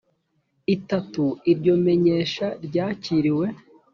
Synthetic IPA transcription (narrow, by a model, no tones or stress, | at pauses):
itatuiɾɟo̞me̞ɲeːʃaɾɟaːciɾiwe̞